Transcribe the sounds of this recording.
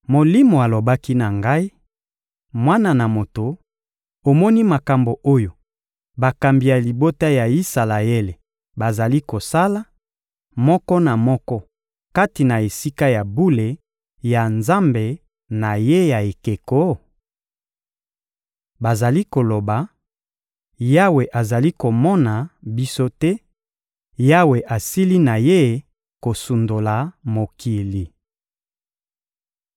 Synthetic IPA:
mo˨li˦mo˨a˨lo˨ba˦ki˦na˨ŋɡa˦i˦ | mwa˦na˨na˨mo˨to˨ | o˨mɔ˦ni˦ma˨ka˨mbo˨ʔo˦jo˨ | ba˨ka˨mbi˨ja˨li˨bo˦ta˦ja˨i˦sa˨la˨e˦le˨ | ba˨za˨li˦ko˨sa˦la˦ | mɔ˦kɔ˦na˨mɔ˦kɔ˦ | ka˦ti˨na˨e˨si˦ka˦ja˨bu˦le˨ | ja˨nza˦mbe˨ | na˨je˦ja˨e˨ke˨ko˦ | ba˨za˨li˦ko˨lo˨ba˨ | ja˦we˨ʔa˨za˨li˦ko˨mɔ˦na˨bi˦so˦tɛ˦ | ja˦we˨ʔa˨si˦li˦na˨je˦ | ko˨su˨ndo˨la˨mo˨ki˨li˨

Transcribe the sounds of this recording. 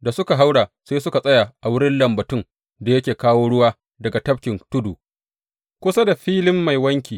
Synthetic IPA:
da˨sʊ˦ka˨ɦa˦wɽaː˨seː˦sʊ˦ka˨sʼɐ˦jaː˨ʔa˨wʊ˦ɽɪ˦nlɐ˨mbɐ˨tʊ˦˨ŋ | da˨jɐ˦kʲeː˨kaː˦woː˦ɽʊ˦waː˦ | dɐ˨ɡa˨tɐ˦p̚kʲɪ˨ntʊ˦duː˨ | kʷʊ˦sa˦da˨ɸiː˦lɪ˦mːa˨jwɐ˦ŋkʲiː˨

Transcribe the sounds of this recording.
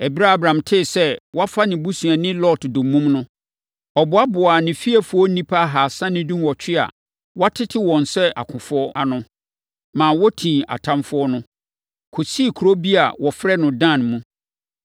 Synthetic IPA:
ɛ˨bi˦ɾa˦a˨bɾã˨mtʰɪ˦˨sɛ˦wɔ˦a˦fa˦nɪ̃˨bu˦sũ˨a˨nɪ̃˦lɔ˦tdʊ̃˨˦mũ˦mnʊ̃˦ | ɔ˨bʊ˨a˦bʊ˨a˨nɪ̃˨fi˦a˨fʊ˦ɔ˦nĩ˦pʰa˦ɦa˨sã˦nɪ̃˦dũ˦mwɔ˨t͡ɕʰᶣɪ˦a̰˨ | wa˦tʰɪ˦tʰɪ˦wɔ̃˨n˨sɛ˦a̰˨kʰʊ̃˨fʊ˦ɔ˦a˨nʊ̃˦ | mãː˨wɔ˦tʰĩ˨a̰˨tʰã˦mfʊ˦ɔ˦nʊ̃˦ | kʰʊ˨si˦˨kʰɾo˦bi˦a˨wɔ˨fɾɛ˦nʊ̃˨dã˦˨nmũ˦

